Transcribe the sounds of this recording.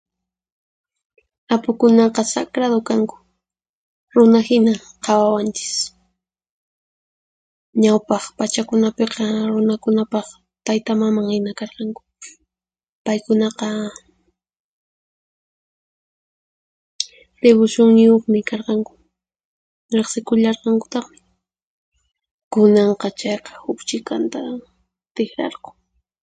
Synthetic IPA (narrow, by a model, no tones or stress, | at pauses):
apʊkʊnɑqɑsakɾaðokaŋkʊ̥ | ɾʊnahɪnaqʰɑwawant͡ʃɪ̥s | ɲawpɑχpat͡ʃakʊnapeqɑɾʊnakʊnapɑχ | t̪ajt̪amamaŋhɪnakɑɾqɑŋkʊ̥ | pajkʊnɑqɑ | ɾɪβʊʃʊŋɲɪjoχmɪkɑɾqɑŋkʊ̥ | ɾeχsɪkʊʎɑɾqɑŋkʊ̥t̪ɑχmɪ | kʊnɑɴqɑt͡ʃɑjqɑ̥hʊkt͡ʃɪkant̪a | t̪ɪxɾɑ̰ɾqʊ̥ŋ